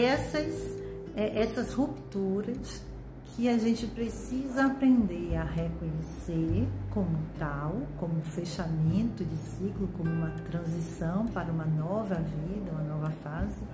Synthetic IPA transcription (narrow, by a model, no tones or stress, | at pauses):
ɛsɐs | ɛʔɛsɐshupt̪uɾɐs | kʰɪaʒẽnt͡ʃɪpɾesizɐapɾẽnd̪eɾaɦekõɲeseɾkõmʊt̪awkõmʊ̃feʃamẽnt̪ʊd͡ʒɪsiklʊkõmʊũmɐt̪ɾɐ̃zisɐ̃w̃paɾɐũmɐnɔvɐvid̪ɐũmɐnɔvɐfazɪ